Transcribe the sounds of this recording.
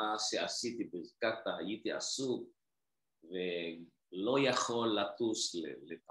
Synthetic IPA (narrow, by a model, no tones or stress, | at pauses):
aʃeasit̪ibʁkat̪ahajit̪ia̰suk | ve | lo̞jaχo̞lːat̪uslep